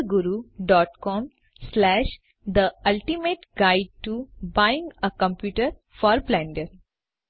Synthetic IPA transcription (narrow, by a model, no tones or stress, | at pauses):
ɡuɾuɖɔːʈkɔ̃ːm | slæːʃ | d̪əɐlʈimeːʈɡaɪɖ̚ʈubaɪɪ̃ŋɡəkə̃mpjuːʈəɾ | fɔːɾblɛ̃ɳɖəɾ